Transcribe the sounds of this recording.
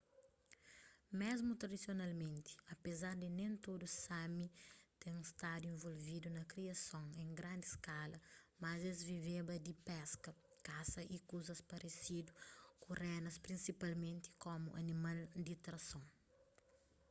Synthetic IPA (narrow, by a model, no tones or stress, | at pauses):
mezmut̪ɾɐd̪isjonalmẽnt̪i̥ɐpezaɾd̪inẽnt̪od̪usamit̪ẽŋũst̪ad̪uẽɱvolvid̪unɐkɾiɐsõŋẽŋɡɾãnd̪iskalɐmɐzezvivebɐd̪ipɛskɐ | kasɐʔikuzɐspɐɾʔesid̪ukurɛnɐspɾĩnsipalmẽnt̪i̥komṵʔɐ̰nimald̪it̪ɾɐsõŋ